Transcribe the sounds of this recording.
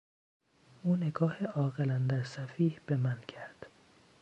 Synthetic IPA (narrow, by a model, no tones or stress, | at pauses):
ʔuːne̞ɡɒːheʔɒːɣelænd̪æɾsæfiːhb̥e̞mæncʰæɾd̪̥